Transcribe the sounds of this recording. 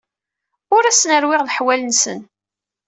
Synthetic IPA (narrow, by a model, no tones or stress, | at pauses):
ʊɾæsnəɾwɪʁðħwælənsə̰n